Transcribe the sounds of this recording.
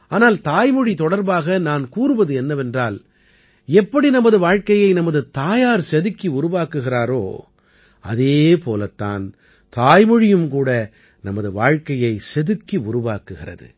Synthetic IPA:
aːnaːlt̪aːjmɔɻit̪ɔɽɐɾbaːɣɐnaːnkuːɾɯʋɐðɯɛnːɐʋɛndraːl | ɛpːɐɽinɐmɐðɯʋaːɻkɐjɐɪnɐmɐðɯt̪aːjaːɾsɛðɯkːiʊɾʊʋaːkɯɣɪɾaːɾo̰ː | ɐ̰ðeːpoːlɐt̪ːa̰ːn | t̪aːjmɔɻɪjɯmkuːɽɐ | nɐmɐðɯʋa̰ːɻkɐjɐɪsɛðɯkːiʊɾʊʋaːkɯɣɪrɐ̰ðɯ̰

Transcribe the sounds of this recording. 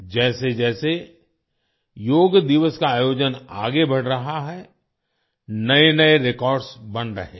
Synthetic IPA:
d͡ʒɛːsed͡ʒɛːse | joːɡd̪ɪʋəskaaːjoːd͡ʒəna̰ːɡebɐɽɾɐɦaɦɛ | nɐenɐeɾɪkɔːɾɖsbɐnɾɐ̰ɦẽː

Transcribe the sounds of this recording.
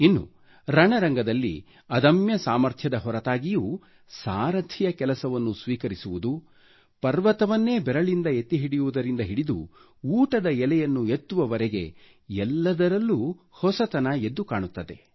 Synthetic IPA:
inːṵ | ɾɐɳɐɾɐŋɡɐd̪ɐlːḭ | ɐd̪ɐmjɐsaːmɐɾt̪ʰjɐd̪ɐɦɔɾɐt̪aːɡijuː | saːɾɐd̪ʰʱijɐkɛlɐsɐʋɐnːusʋiːkɐɾisuʋud̪u | pɐɾʋɐt̪ɐʋɐnːe̞ːbɛɾɐɭind̪ɐet̪ːiɦiɽijuʋud̪ɐɾind̪ɐɦiɽid̪ṵ | uːʈɐd̪ɐɛlɛjɐnːuet̪ːuʋɐʋɐɾeɡe̞̰ | ɛlːɐd̪ɐɾɐlːu | hɔsɐt̪ɐnɐe̞d̪ːukaːɳut̪ːɐd̪e̞̰

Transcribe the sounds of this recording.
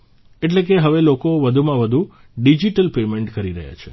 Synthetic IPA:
eʈlek̬eɦəʋelokoʋəd̪ʱumãʋəd̪ʱu | ɖid͡ʒiʈəlpemeɳʈkəɾiɾə̰ɦja̰t͡ʃʰḛ

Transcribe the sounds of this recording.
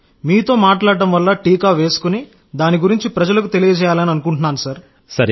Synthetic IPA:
miːt̪o̞ːmaːʈlaːɽɐɖɐmʋɐlːɐʈiːkaːʋe̞ːsu̥kuni | d̪aːniɡuɾiɲt͡ʃipɾɐd͡ʒɐlɐkut̪e̞lijɐd͡ʒɛːjaːlɐniɐnukuɳʈunaːnusɐɾ | sɐɾ

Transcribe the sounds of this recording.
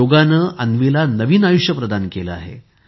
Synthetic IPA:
oɡanəːʔənʋilanəʋiːnajuʂjəpɾəd̪ʱankelə̰a̰ɦḛ

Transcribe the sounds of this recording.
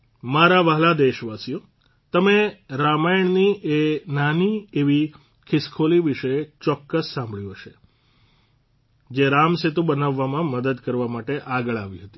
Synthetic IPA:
maɾaʋaɦlad̪eʃʋasijo | t̪əmeɾamajɳniʔenanieʋi | kʰɪskʰoliʋiʃət͡ʃɔkːəsːãmbʱɭjũɦəʃe | d͡ʒeɾamset̪ũbənaʋːamãməd̪əd̪kəɾʋamaʈeʔaɡəɭaʋiɦət̪i̥

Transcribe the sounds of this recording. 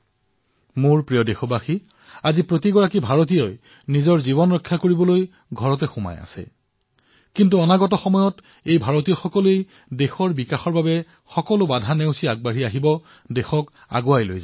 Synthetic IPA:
moɹpɹijɔdexɔbaxi | azipɹotiɡɔɹakibʱaɹot̬ijoj | nizɔɹzibɔnɹɔkʰːakoɹibɔloj | ɡʱɔɹɔtɛxʊma̰ja̰sɛ̰ | kintuɔnaɡɔtɔxɔmɔjɔt | ejbʱaɹot̬ijɔxɔkɔlej | dexɔɹbikaxɔɹbabɛ | xɔkɔlʊbadʱaneʊsiaɡ̚baɹiaɦibɔ | dexɔk | a̰ɡoajlojza

